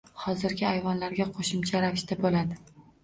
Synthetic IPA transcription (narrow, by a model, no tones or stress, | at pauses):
hɒzɪɾɡʲɪajvɒnlaɾɡʲaqʰoʃɪmt͡ʃʰaɾavɪʃt̪abolad̪ɪ